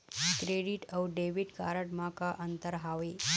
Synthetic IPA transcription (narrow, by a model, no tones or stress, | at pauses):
kɾeɽiːʈəwɖeʋiʈka̰ɾəʈmakaʔənt̪əɾɦaʋi